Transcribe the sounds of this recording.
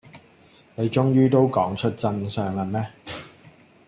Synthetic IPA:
ne˨jt͡ʃʊ˥ŋjyː˥t̪o˥wkɔː˨˥ŋt͡ʃʰɵ˥t̚t͡sɐ˧nsœː˨˧ŋɐ˨mɛː˥

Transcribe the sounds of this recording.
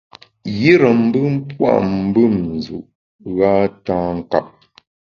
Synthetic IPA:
ji˦ɾə˨m̩˦bɨ˦m̩˦pwa̰˦ʔm̩˦bɨ˦m̩˨zṵ˨ʔ | ɣaː˦taː˦ŋ̩˦˨ka˦˨p̚

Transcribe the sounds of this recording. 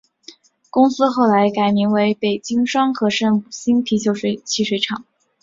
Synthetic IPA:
kʊ˥ŋsɹ̩˥xo˥˩ʊla˧˥ɪka˨˩ɪmi˧˥ŋwe˧˥ɪpe˨˩ɪt͡ɕi˥ŋʂwɑ˥ŋxɤ˧˥ʂə˥˧nu˨˩ɕi˥ŋt̪ʰi˧˥t͡ɕjo˥˧ʊʂe˥˧˩t͡ɕʰi˥˩ʂwe˧˥ɪʈ͡ʂʰɑ˨˩˦ŋ

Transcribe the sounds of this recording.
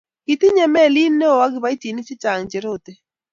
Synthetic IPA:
ki˨t̪i˦ɲɛ˦mɛ˦˨li˦nːe˦o˨wa˦ɡɪ˨ba˦i˦ti˨ni˦t͡ʃi˦t͡ʃa˨ŋt͡ʃe˨ɾo˦t̪e˦

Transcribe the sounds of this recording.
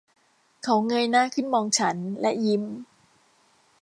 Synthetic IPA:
kʰa˦˥wŋɤ˧jnaː˥˩kʰɯ˥˩nmɔː˧ŋt͡ɕʰa˦˥nlɛ˦˥ʔji˧m

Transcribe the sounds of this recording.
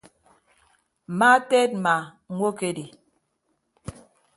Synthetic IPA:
ma˦tɛ˦t̚ma˨ | ŋwo˦ke˦di˨

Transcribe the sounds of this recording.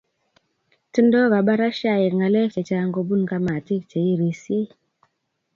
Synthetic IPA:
ti˦ndɔ˦ɣa˨ɓa˦ɾa˦ʃa˦˨je˨ŋa˨lɛ˦k̚t͡ʃe˨t͡ʃa˦ŋɡo˦bu˦nka˦ma˨ti˦kt͡ʃe˨i˦ɾe˨sje˦

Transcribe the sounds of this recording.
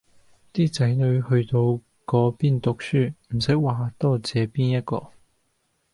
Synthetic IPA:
t̪iː˥t͡sɐ˨˥jnɵ˨˧ɥhɵ˧t̪o˧w | kɔː˨˧˥piː˥nt̪ʊ˨k̚syː˥˩m̩˨˩sɐ˨˥jwaː˨t̪ɔː˥t͡sɛː˨˧piː˥njɐ˥t̚kɔ̰ː˧

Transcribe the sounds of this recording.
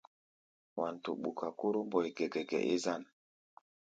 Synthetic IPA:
wa˨ntu˨ɓu˨ka˨ku˦ɾu˦mbo˨jɡe˨ɡɛ˨ɡɛ̰˨ʔe˦za˦˨n

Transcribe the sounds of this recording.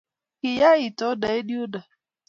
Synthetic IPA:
kɪ˨ja˦i˨tɔ˦da˨e˦di˦ʊ˦da˨

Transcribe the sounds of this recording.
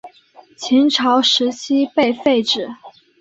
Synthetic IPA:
t͡ɕʰi˧˥ŋʈ͡ʂʰɑ˧˥ʊʂɻ̩˧˥t͡ɕʰi˥pe˥˧ɪfe˥˧ɪʈ͡ʂɻ̩˨˩

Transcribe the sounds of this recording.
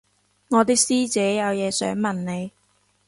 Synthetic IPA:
ŋɔː˨˧t̪iː˥k̚siː˥t͡sɛː˨˥jɐ˨˧wjɛː˨˧sœ̰ː˨˥ŋmɐ˨nne˨˧j

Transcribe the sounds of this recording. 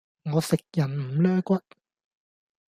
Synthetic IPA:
ŋɔː˨˧sɪ˨k̚jɐ˨˩nm̩˨˩lœː˥kʷɐ˥t̚

